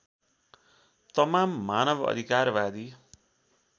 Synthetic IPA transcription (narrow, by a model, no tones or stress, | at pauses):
t̪ʌmamːanʌbʌ̰d̪ʱikarbad̪i